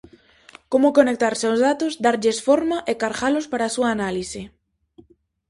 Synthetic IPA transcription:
komʊkonek̚t̪aɾseʊwzðat̪ozd̪aɾʎesfoɾmaʔekaɾɣalʊspaɾaːsuaːnalisɪ

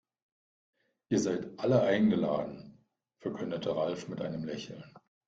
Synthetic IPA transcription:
ʔiːɐzaɪtʔaləʔaɪnɡəla̰ːdn̩ | fɛɐkʰʏndətʰəʁalfmɪtʔa̰ɪnəmlɛçl̩n

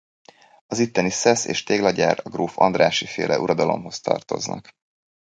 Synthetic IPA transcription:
ɒzit̪ːɛnisɛseːʃt̪eːɡlɒɟaːrɒɡroːfɒ̰nd̪raːʃifeːlʔɛʔuɾɒd̪ɒlo̞mɦo̞st̪ɒ̰rt̪o̞̰znɒk

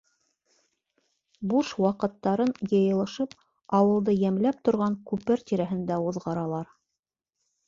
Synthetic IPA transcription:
buʃwɑqɤ̆t̪ːɑɾɤnjɤ̆jɤ̆lˠɤ̆ʃɤp | ɑwɤ̆lˠd̪ɤjæmlæp̚t̪ŏɾʁɑŋkʉpɘɾt̪ʲiɾæɦɘ̆nd̪æuðʁɑɾɑlˠɑɾ

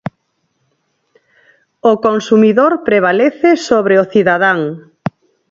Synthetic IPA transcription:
okonsumiðoɾpɾeβ̞aleθɪsoβɾeoθiðaðaŋ

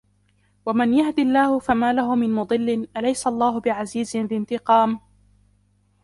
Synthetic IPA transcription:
wamanjahd̪ɪlːaːhʊfamaːlaɦʊmɪnmʊd̪ˤɨlːɪnʔalajsaʔlˤːaːɦʊbɪʕaziːzɪnlɪnt̪ɪqɑːm

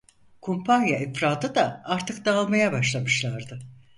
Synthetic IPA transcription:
kʰumpʰanjaʔifɾaːd̪ɯd̪aaɾt̪ʰɯk̚d̪aːlˠmajabaʃlˠamɯʃlˠaɾd̪ɯ

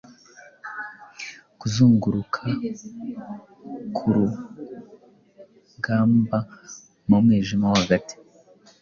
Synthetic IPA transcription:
kuzuːŋɡuɾukʰa | kʰuɾu | ɡaːmba | mumwiːʒimawaɡati̥

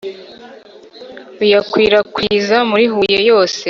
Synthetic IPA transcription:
ujakwiːɾakwiːzamuɾiɦujejo̞ːse̞

